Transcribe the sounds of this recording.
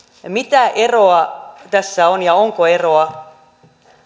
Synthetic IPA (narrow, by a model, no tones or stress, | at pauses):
mit̪æʔeroɑt̪æsːæonjɑoŋkoe̞ro̞ɑ